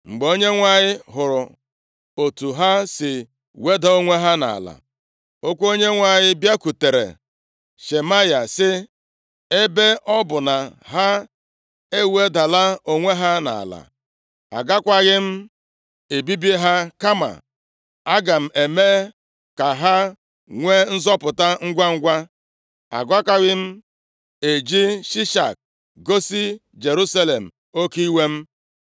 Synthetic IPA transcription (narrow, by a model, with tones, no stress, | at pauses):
ŋ͡m̩˨ɡ͡be˨o˦ɲe˦ŋʷa˨ɲɪ˦ɦʊ˨ɾʊ˨ | o˨tu˨ɦa˦sɪ˨ | we˦da˨o˦ŋʷe˦ɦa˦na̰˨a̰˨la̰˨ | o˦kʷo˦ɲe˦ŋʷa˨ɲɪ˦bja˦ku˨te˨ɾḛ˨ | ʃe˨ma˦ja˨sɪ˦ | e˦be˦ʔɔ˦bʊ˨na˨ɦa˦ | e˦we˦da˨la˦o˨ŋʷe˦ɦa˦na̰˨a̰˨la̰˨ | a̰˨ɡa˦kʷa˦ɣɪ˦m̩˦ | e˨bi˦bi˦ɦa˦ka˦ma̰˨ | a˦ɡa˨m̩˨ʔe˨me˦ | ka˨ɦa˦ | ŋʷe˦n̩˦zɔ˦pʊ˨ta˦ŋ̩˦ɡʷa˦ŋ̩˦ɡʷa˦ | a̰˨ɡʷa˦ka˦ɣɪ˦m̩˦ | e˨d͡ʒi˦ʃi˦ʃa̰˨k̚ | ɡo˦si˦ | d͡ʒe˨ɾu˦sa˦le˨m̩˨ | o˦ki˦i˦we˦m̩˦